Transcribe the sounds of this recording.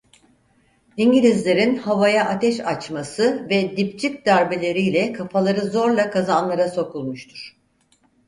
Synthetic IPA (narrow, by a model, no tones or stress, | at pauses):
iɲɟilʲizlʲe̞ɾinhavajaʔat̪ʰɛʃat͡ʃmasɯvɛd̪ipt͡ʃʰic̚d̪æɾbelʲe̞ɾijlʲɛkʰafalˠaɾɯzo̞ɾlˠakʰazanlˠaɾaso̞kʰulˠmuʃt̪ʰuɾ̥